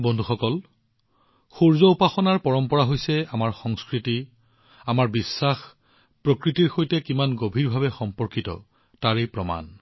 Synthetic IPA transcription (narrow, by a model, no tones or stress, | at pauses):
bɔndʱuxɔkɔl | xoɹzɔupaxɔnaɹpɔɹɔmpɔɹaɦojsɛamaɹxɔŋskɹiti | amaɹbisːax | pɹokɹitiɹxojtɛkimanɡobʱiɹbʱabɛxɔmpɔɹkitɔ̰ | taɹejpɹɔma̰n